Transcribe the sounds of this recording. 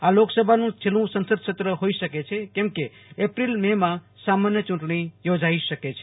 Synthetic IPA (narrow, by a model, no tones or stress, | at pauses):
aloksəbʱanũt͡ʃʰelũsənsəd̪̚t͡ʃʰət̪ɾəɦoisəket͡ʃʰɛkemke | epɾilmema | samanjət͡ʃuɳʈñijod͡ʒaisəket͡ʃʰɛ̥